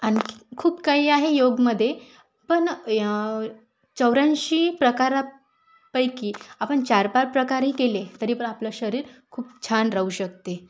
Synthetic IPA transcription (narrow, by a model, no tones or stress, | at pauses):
anikʰuːpkaiːaɦejoɡməd̪ʱːje | pəɳ | t͡ɕəwɾãnɕiːpɾəkaɾa | pəjkiːapəɳt͡ɕaɾpaɾpɾəkaɾɦiːkelet̪əɾiːpəɳapləɕəɾiːɾkʰuːp̚t͡ɕʰanɾauɕək̚t̪e